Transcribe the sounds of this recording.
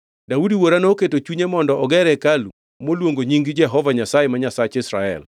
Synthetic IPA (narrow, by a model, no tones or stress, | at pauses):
daudiwoɾanoːketot͡ʃuɲemɔndɔɔɡɛɾɛkalu | molwoŋɡoɲiŋɡid͡ʒɛɦɔvaɲasajemaɲasat͡ʃɪsɾaɛ̰l